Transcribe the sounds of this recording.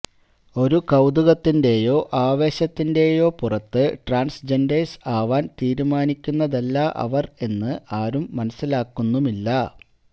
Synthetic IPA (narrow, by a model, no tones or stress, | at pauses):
o̞ɾukɐwd̪uɣɐt̪ːinde̞ːjo̞ːʔaːʋe̞ːɕɐt̪ːinde̞ːjo̞ːpurɐt̪ːɨʈraːnsd͡ʑendeːsaːʋaːnt̪iːɾumaːnikʲːunːɐðɐlːɐʔɐ̰ʋɐre̞nːɨʔaːɾumːɐnɐsːilaːkːunːumilːɐ